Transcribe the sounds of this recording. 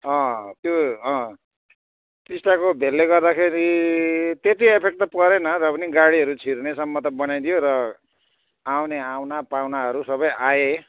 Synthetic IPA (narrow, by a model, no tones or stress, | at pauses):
ʌ̃t̪joʌ̃ | tisʈakobʱelːeɡʌrd̪akʰeɾi | t̪et̪iepʰek̚t̪ʌpʌɾenʌrʌpʌniɡaɽiʌɾut͡sʰirnesʌmːʌt̪ʌbʌnajd̪ijoɾʌ | awneawnapawnaɦʌɾusʌbʌjʔaje